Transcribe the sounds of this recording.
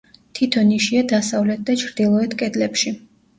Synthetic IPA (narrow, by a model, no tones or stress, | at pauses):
t̪ʰit̪ʰɔniʃiad̪asavlɛt̪̚d̪at͡ʃʰɾd̪ilˠɔɛt̪ʰkʼɛd̪lɛpʃi